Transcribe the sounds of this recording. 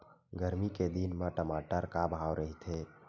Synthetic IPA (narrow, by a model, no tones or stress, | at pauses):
ɡəɾmiked̪inmə̃ʈəmaʈəɾkabʱɦawɾʔəɦit̪ʰe